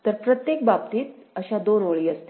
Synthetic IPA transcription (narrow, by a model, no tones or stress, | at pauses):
t̪əɾpɾət̪jekbabt̪iːt̪̚əɕad̪onoɭiːəst̪e